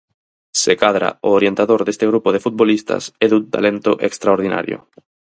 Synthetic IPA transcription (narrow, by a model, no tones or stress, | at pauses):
sekaðɾa̰ooɾjent̪aðoɾðest̪eɣɾupoðefut̪̚bolist̪a̰seðunt̪a̰lent̪oʔekst̪ɾaoɾð̞ina̰ɾjo̰